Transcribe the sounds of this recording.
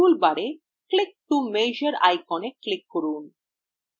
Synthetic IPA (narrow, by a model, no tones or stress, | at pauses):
ulbaɾe | klik̚ʈumejd͡ʑəɾa̰jkɔneklikːoɾun